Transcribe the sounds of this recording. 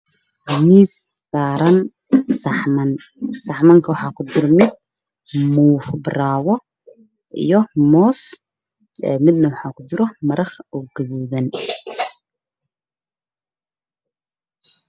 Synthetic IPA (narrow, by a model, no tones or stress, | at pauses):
ɡɐmiːsː | aːɾɐn | sɐħmɐn | sɑħmɐŋkʰɐwɑħɑːkʰʊd̪ɪɾmɪd̪̚ | muːfbraːwɔ | ʔḭjɔmɔːs | ɛːmɪd̪nɐwɑħɑːkʰʊd̪ɪɾɔmɐɾɐχɔɡɐðuːðɐn